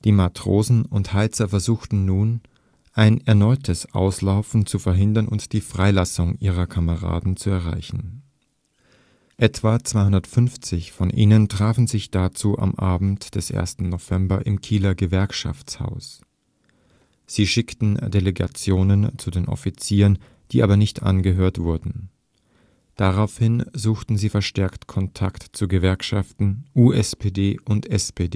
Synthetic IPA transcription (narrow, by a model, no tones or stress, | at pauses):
d̥iːmatʁ̥oːzn̩ʊnthaɪt͡sɐfɛɐzuːxtn̩nuːn | ʔaɪnɛɐnɔʏtʰəsʔa̰ʊslaʊfn̩t͡sufɛɐɦɪndɐnʊntd̥iːfʁ̥aɪlasʊŋʔiːʁ̞ɐkʰaməʁa̰ːdn̩t͡suɛɐʁa̰ɪçn̩ | ʔɛtv̥at͡sv̥aɪhʊndɐtfʏnft͡sɪçfɔnʔiːnəntʁ̥aːfn̩zɪçd̥at͡suːʔa̰mʔaːbm̩td̥ɛsʔḛːɐstn̩nov̥ɛmbɐʔɪ̰mkʰiːlɐɡəvɛɐkʃa̰ft͡sha̰ʊs | z̥iːʃɪktn̩d̥eleɡa̰t͡sjoːnənt͡sudeːnʔɔ̰fit͡siːʁən | d̥iːʔaːbɐnɪçtʔa̰nɡəɦøːɐtv̥ʊɐdn̩ | d̥aʁaʊfhɪnzuːxtn̩ziːfɛɐʃtɛɐktkʰɔntʰaktt͡suɡəvɛɐkʃaftn̩ʔuːʔɛspʰeːdeːʔʊntɛspʰeːdeː